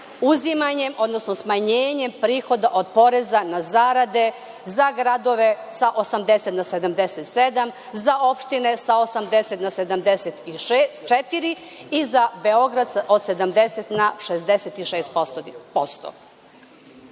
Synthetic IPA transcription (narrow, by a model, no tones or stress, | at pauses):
uzimaɲemo̞d̪nosnosmaɲeːɲe̞mpɾiːxo̞d̪aʔo̞d̪̚po̞ɾezanazaːɾad̪e̞ | zaɡɾad̪o̞ʋe̞ | saʔo̞samd̪eset̪nased̪amd̪eset̪sed̪am | zao̞pʃt̪ine̞saosamd̪eset̪nase̞d̪amd̪eset̪iʃet͡ʃet̪iɾi | izabe̞o̞ɡɾad̪sao̞d̪se̞d̪amd̪eset̪naʃezd̪eset̪iʃeːst̪opost̪o̰